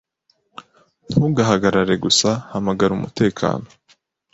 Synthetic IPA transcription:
n̥huɡaɦaɡaɾaɾe̞ɡusahamaɡaɾumṵte̞ːkʰa̰ːno

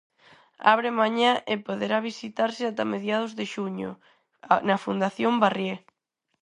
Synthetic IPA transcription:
a̰β̞ɾɪmaɲaʔɪpoðeɾaβisit̪aɾsɪat̪ameðjað̞ʊzðɪʃuɲʊ̰ | nɐfund̪aθjombarje

